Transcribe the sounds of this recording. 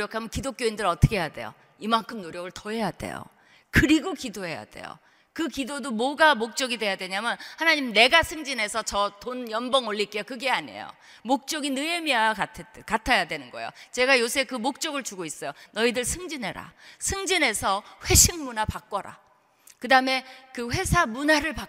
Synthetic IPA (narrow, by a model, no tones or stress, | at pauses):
ojʌkʰamjʌnkidok͈joindɯɾʌtʰɯ̥kʰejade̞̰jo̰ | imaŋkʰɯmnoɾjʌɡɯɭtʌɦe̞jade̞̰jo̰ | kɯɾiɡokidoɦe̞ja̰de̞̰jo̰ | kɯkidodomwʌɡamok̚t͡ɕ͈ʌɡide̞jadwe̞ɲamjʌnhanaɲimne̞ɡasʰɯŋd͡ʑinɦe̞sʰʌt͡ɕʌtonjʌnbʌŋoʎːik͈ejokɯɡe̞aɲḛjo̰ | mok̚t͡ɕ͈ʌɡinɯemiaatʰkatʰajadwenɯnɡʌ̰jo̰t͡ɕe̞ɡajosʰe̞kɯmok̚t͡ɕ͈ʌɡɯɭt͡ɕuɡois͈ʌjonʌidɯɭsʰɯŋd͡ʑinɦeɾa̰sʰɯŋd͡ʑinɦe̞sʰʌɸwe̞ɕʰiŋmunapak͈̚ʌɾa̰ | kɯdame̞kɯɸwe̞sʰamunaɾɯɭpa